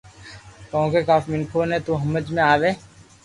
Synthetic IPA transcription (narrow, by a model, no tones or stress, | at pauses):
kɔ̃õkeːkaːfmɪnkʰoːnẽːt̪uːɦɐməd͡ʒmẽaːʋeː